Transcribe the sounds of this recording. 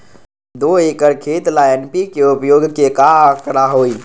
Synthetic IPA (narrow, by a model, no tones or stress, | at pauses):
d̪oekəɾkʰet̪laenpikeupjoɡkekaəkɾaɦoj